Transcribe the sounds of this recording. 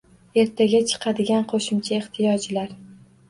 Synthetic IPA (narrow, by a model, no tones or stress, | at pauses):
e̞ɾt̪ʰaɡʲat͡ʃʰɨ̥qʰɑd̪ɪɡʲanqʰoʃɪmt͡ʃʰae̞ht̪ʰɪjɒd͡ʒlaɾ